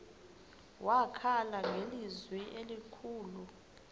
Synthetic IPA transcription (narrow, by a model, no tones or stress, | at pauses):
wakʰalaŋelizwɛʔelikʰuːlu